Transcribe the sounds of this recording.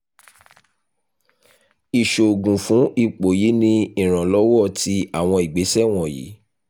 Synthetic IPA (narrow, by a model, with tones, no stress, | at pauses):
i˨ʃo˨ɡũ˨fũ˨˦i˦˨k͡po˨ji˨˦nĩ˧ĩ˦˨ɾ̃ã˨lɔ˦wɔ˦˨ti˧˦a˦˨w̃ɔ̃˧i˨ɡ͡be˨˦sɛ˦˨w̃ɔ̃˦˨jḭ˨˦